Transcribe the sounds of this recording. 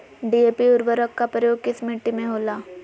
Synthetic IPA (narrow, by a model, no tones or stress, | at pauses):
ɖieːpiʊɾʋəɾəkːapɾəjoːɡ̚kɪsmɪʈːimẽɦoːlaː